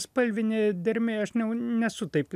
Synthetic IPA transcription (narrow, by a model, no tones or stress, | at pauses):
spɐlʲʋʲɪnʲɪd̪ʲɪɾʲmʲeɐʃnʲɛʊnʲɛsʊt̪ɐɪplʲ